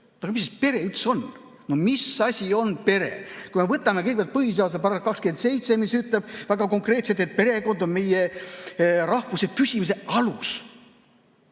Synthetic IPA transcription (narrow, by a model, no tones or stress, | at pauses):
ɑɡɑmispe̞ɾe̞yt̪so̞n | nomisɑsʲio̞npe̞ɾḛkujmevɤt̪ːˑɑme̞kɤjɡe̥jɑlt̪pɤɦis̬ɑːsepɑɾɑst̪̚kɑkskent̪se̞jt̪se̞misyt̪leb̥væɡ̥ɑko̞ŋkre̞ːt̪set̪et̪̚pe̞ɾe̞ko̞nd̪o̞nme̞je | ɾɑhvusepysʲimis̬e̞ɑlus